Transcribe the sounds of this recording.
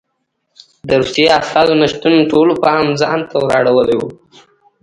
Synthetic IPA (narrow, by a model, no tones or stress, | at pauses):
d̪əɾusjeiast̪ɑzonaʃt̪unoʈolopəamzɑnt̪ʰawɾɑɽawəlewu